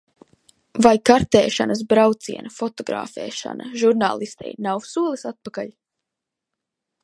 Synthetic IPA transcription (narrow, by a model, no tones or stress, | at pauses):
vajkaɾt̪ɛːʃa̰nɐs̬bɾawt̪sḭɛnɐfɔt̪ɔɡɾa̰ːfɛ̰ːʃa̰nɐʒuɾna̰ːlˠist̪ɛ̰jnawsuɔlˠisat̪̚pakaʎ